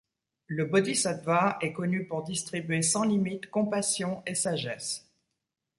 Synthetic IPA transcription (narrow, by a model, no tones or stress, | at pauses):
ləbɔd̪isad̪vaɛkɔnypuʁd̪ist̪χibɥesɑ̃limit̪kɔ̃pasjɔ̃esaʒɛs